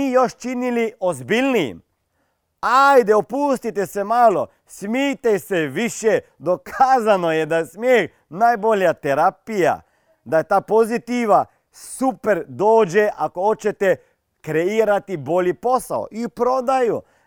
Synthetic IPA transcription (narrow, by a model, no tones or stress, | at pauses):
iːjo̞ʃt͡ʃiniliozbilʲnḭːm | ajd̪eopuːst̪it̪esemaːlo̰ | smit̪eseʋiʃje | d̪o̞kʰaːzanojed̪ajesmjeːx | najbo̞ljat̪eɾapija̰ | d̪ajet̪aːpo̞zit̪iʋa | supeɾd̪oːd͡ʒeʔakoot͡ʃet̪e | kɾeiːɾat̪ibo̞lipo̞sa̰o̰ʔipɾod̪aju